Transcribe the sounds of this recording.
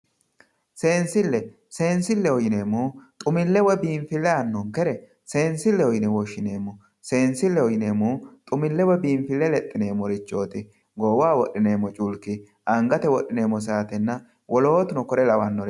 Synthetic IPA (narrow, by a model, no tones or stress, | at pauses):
se̞ːnsɪlːɛ | se̞ːnsɪlːɛɔjɪne̞ːmːuːt̪ʼʊmɪlːɛwɔbiːɱfɪlːɛɐnːɔmkɛɾɛ | se̞ːnsɪlːɛɔjɪnɛwɔʃːɪne̞ːmːɔ | se̞ːnsɪlːɛɔjɪne̞ːmːuːt̪ʼʊmɪlːɛwɔbiːmfɪlːɛlɛt̪ʼːɪne̞ːmːɔɾɪt͡ʃːo̞ːt̪ɪ | ɡɔwaːwɔʔːɪne̞ːmːɔt͡ʃʼʊlkːɪ | ʔɐŋɡɐt̪ɛwɔʔːɪne̞ːmːɔs̬aːt̪ɛnːɐ | wʔɔlo̞ːt̪ʊnɔkɔɾɛlɐwɐnːɔɾɪ